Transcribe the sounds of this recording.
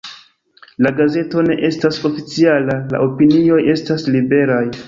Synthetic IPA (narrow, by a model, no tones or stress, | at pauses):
laɡaze̞to̞ne̞ʔe̞staso̞fit͡sialala̰ʔo̞pinio̞je̞staslibe̞ɾaj